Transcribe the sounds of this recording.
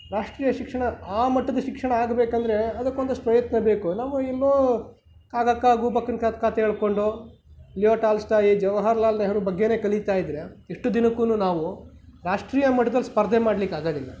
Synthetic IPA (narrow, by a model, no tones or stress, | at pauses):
ɾaːʂʈɾiːjɐʃikʂɐɳɐaːmɐʈːɐd̪ɐʃikʂɐɳɐaːɡbeːkɐnd̪ɐɾe̞ɐd̪ɐkːond̪ɐsʂʈpɾɐjɐt̪nɐbeːkunaːʋɐɛlːoː | kaːɡɐkːaːɡuːbɐkːɐnkat̪kaːt̪eɦeːɭko̞ɳɖo | lijoːʈaːlsʈaːjid͡ʒɛʋɐɦɐɾɐlaːlnɐɾubɐɡːe̞ne̞ːkɐɭit̪aːjid̪ɾe̞iʂʈud̪inɐkːunuːnaːʋu | ɾaːʂʈɾiːjɐmɐʈːɐd̪ɐlispɐɾd̪ʱemaːɽlikːaːɡoːd̪ilːɐ